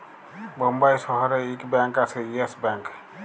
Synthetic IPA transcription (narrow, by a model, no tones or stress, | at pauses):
bʌmbajsʌɦʌɾeikbãŋkasʰeesbãŋk